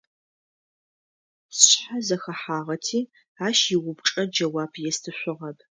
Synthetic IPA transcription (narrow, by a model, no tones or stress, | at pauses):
sɕħazɐxɐħaːʁɐtʰiː | aːʃjɪwʷʊpʈ͡ʂʼɐd͡ʒɐwaːpʰjɛstʰɨɕʷʊʁɐb